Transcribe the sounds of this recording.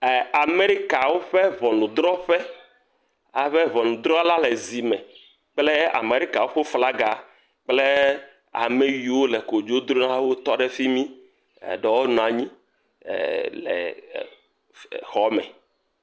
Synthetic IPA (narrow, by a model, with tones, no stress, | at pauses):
a˨me˦ɾi˦ka˨wo˦ɸe˦βɔ˨nũ˨d̪ɾɔ˦ɸɛ˦ | a˨ɸe˦βɔ˨nũ˨d̪ɾɔ˦la˦le˨zi˨mɛ̃˨ | k͡ple˦a̰˨me˨ɾi˦ka˨wo˦ɸe˦fla˦ɡa˨ | k͡ple˦ | a̰˨me˨wi˨wo˦le˨ko˨d͡ʒo˦d̪ɾo˦nã˦wo˦t̪ɔ˦ɖe˦˨fi˦mḭ̃˦˨ | ɖɛ˨wo˦nɔ̃˨a˨ɲḭ̃˦˨ | lɛ̰˨ | xɔ˦mɛ̰˨